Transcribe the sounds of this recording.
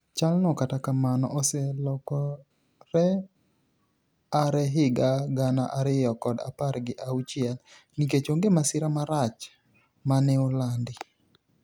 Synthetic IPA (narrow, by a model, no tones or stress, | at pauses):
t͡ʃalnɔkatakamanɔ̰ʔosɛlɔkɔ | ɾɛ | aɾɛɦɪɡaɡana̰ʔaɾɪjɔkɔda̰paɾɡɪʔaut͡ʃɪɛl | niket͡ʃoŋɡemasɪɾamaɾat͡ʃ | manɛolandɪ